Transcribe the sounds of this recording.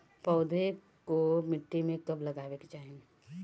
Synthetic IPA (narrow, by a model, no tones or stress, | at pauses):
pɔʊd̪ʱe | komɪʈːimẽkɐblɐɡaːʋekit͡ʃaːɦẽe